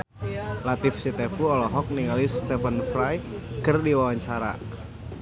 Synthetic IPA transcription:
lat̪ɪfsit̪ɛfuɔlɔɦɔk̚niŋalist̪ɛfənfɾajkərdiwawaɲt͡ʃaɾa̰

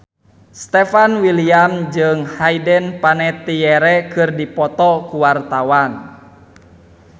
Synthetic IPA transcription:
st̪ɛfanwiliamd͡ʒɨŋhaidɛnpanɛt̪ijɛɾɛkɨrdipɔt̪ɔkuwart̪awan

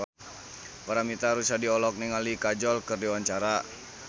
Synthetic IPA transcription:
paɾamit̪aɾusadiɔlɔk̚niŋalikad͡ʒɔlkɨrdiwaɲt͡ʃaɾa

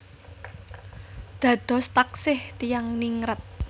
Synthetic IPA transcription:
d̪̥ä̤d̪̥ɔ̤st̪aksɪht̪ijaŋniŋɾət̪̚

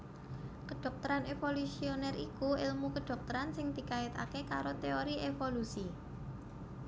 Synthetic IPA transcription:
kəɖ̥ɔ̤k̚t̪əɾanefolusionɛrikuɪlmukəɖ̪̥ɔ̤k̚t̪əɾansɪŋd̪̥i̤kaɪt̪a̰kekaɾot̪eoɾiefolusi

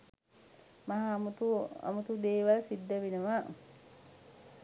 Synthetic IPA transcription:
mɐɦamut̪ua̰mut̪ud̪eːʋalsid̪ːɐʋinəʋa

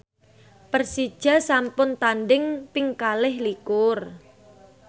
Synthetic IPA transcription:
pərsid̥ʒ̥a̤sampʊnt̪anɖɪŋpɪŋkalɪhlikʊr

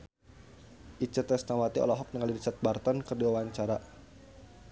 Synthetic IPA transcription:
ʔit͡ʃət̪ɛsnawat̪iɔ̰lɔɦɔk̚nəŋalidisat̪̚bart̪ɔnkərdiwawaɲt͡ʃaɾa

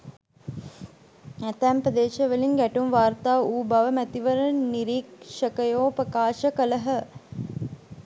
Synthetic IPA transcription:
æt̪æːmpɾəd̪eːʃəʋəliŋɡæʈumʋaːɾt̪aːuːbaʋəmæt̪iʋəɾəniɾiːkʃəkəjoːpɾəkaːʃəkələɦə

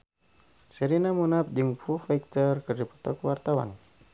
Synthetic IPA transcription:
səɾinamunap̚d͡ʒɨŋfufɛk̚t̪ərkərdipɔ̥t̪ɔkwart̪awa̰n

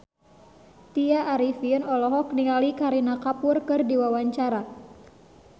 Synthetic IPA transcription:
t̪iaʔːɾifinɔlɔɦɔk̚niŋalikaɾinakapʊrkɨrdiwawaɲt͡ʃaɾa

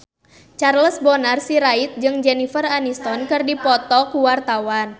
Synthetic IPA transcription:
t͡ʃarləsbɔnarsiɾait̪̚d͡ʒɨŋd͡ʒɛnifəranist̪ɔnkɨrdipɔt̪ɔkuwart̪awan

